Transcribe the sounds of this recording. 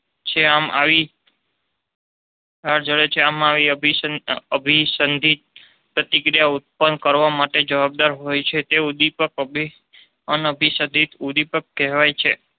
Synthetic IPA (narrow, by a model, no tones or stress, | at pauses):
t͡ʃʰeama̰ʋi | ɦaɽd͡ʒəɭet͡ʃʰeamaʋiəbʱiəbʱisənd̪ʱit̪̚ | pɾət̪ikɾijaut̪̚pənkəɾʋamaʈed͡ʒəʋab̚d̪aɾɦojt͡ʃʰet̪eud̪ipəkbʱi | ənəbʱisə̃nd̪ʱit̪ud̪ipəkːɛɦʋajt͡ʃʰe